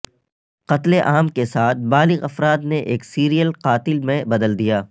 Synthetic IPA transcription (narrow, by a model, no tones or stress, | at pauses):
qɐt̪leʔaːmkesaːt̪̚ʰbaːlɪɣɐfɾaːd̪neʔeːksiːɾijəlqaːt̪ɪlmẽbɐd̪əld̪ijaː